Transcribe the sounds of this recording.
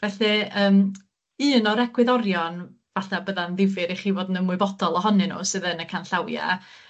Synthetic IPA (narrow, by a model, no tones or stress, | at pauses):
vɛɬɨəːm | ɨːnɔɾɛɡwɪðɔɾjɔn | vaθabəðanðɪvɨɾiχiːvwodnəmwʊɨbɔd̥ɔlˠɔɦɔnɨnṵsɨðənəkʰanɬawja̰